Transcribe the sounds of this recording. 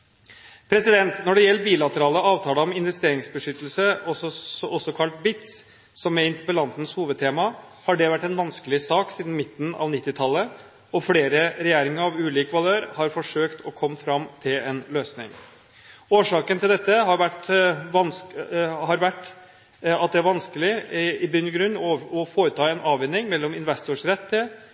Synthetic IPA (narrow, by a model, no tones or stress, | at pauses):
pʰɾɛsɪd̪ɛnt̪nɔɖɛjɛlːəbiːlɑt̪əɾɑːləɑːʋt̪ʰɑːləɔmɪnʋɛst̪eːɾɪŋsbəʂʏt̪ːəlsəɔɔsɔkʰɑlt̪bɪt̪s | sɔmɛɪnt̪əpəlɑnt̪n̩shuːʋəd̪̚t̪ʰeːmɑ | hɑɖɛʋæʈːɛnʋɑnskəlɪsɑːksiːd̪n̩mɪt̪ːn̩ɑ̰ːʋnɪt̪ːɪt̪ʰɑlːə | ɔfɽeːɾəɾɛjeːɾɪŋəɾɑʋʉːliːkʋɑløːɾhɑɾfɔʂøːkt̪ʰɔkʰɔmːfɾɑmt̪ʰɪlɛnløːsnɪ̰ŋ | oːʂɑːkənt̪ʰɪld̪ɛt̪ːəɦɑɾʋæʈʋɑn | hɑɾʋæʈː | ɑt̪̚d̪ɛæɾʋɑnskəlɪɪbʏnəɡɾʉɲːɔɔfoːɾət̪ʰɑːɛnɑːʋɛnːɪŋmɛlːɔmɪnʋɛst̪ʊʂɾɛt̪ːə